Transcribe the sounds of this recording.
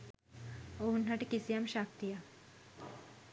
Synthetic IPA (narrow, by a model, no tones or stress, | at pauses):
oɦunnaʈikisijamʃak̚t̪ija